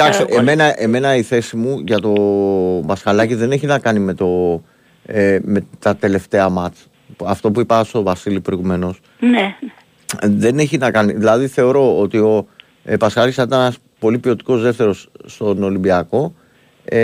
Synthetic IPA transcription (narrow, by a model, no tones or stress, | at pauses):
t̪ɐkst̪eʔmenɐʔe̞me̞nɐiθe̞simuʝɐt̪o̞bɐskɐlɐciðe̞ne̞çinɐkɐnime̞t̪o̞ | me̞t̪ɐt̪e̞le̞ft̪e̞ɐmɐt͡s | ɐft̪o̞puipɐst̪o̞vɐsilipɾo̞iɣume̞no̞s | n | ðe̞ne̞çinɐkɐniðilɐðiθe̞o̞ɾo̞ot̪io̞ | pɐskɐlɐcisɐnit̪ɐnenɐs | po̞lipio̞t̪i̥ko̞zðe̞ft̪e̞ɾo̞sːt̪o̞no̞limbiɐko̞